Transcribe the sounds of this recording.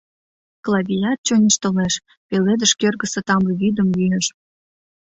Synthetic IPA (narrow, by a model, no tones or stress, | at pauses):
klˠɑβʲijɑt̪̚t͡ɕonʲiʃt̪əleʃ | peled̪əʃkørɡə̆sə̆t̪ɑmbəβid̪əmlyeʃ